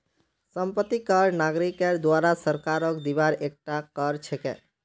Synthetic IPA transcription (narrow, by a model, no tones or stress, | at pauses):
səmpət̪ːikəɾnaɡɾikeɾd̪waɾasəɾkaɾɔkd̪ibaɾek̚ʈakəɾt͡ʃʰɛkḛ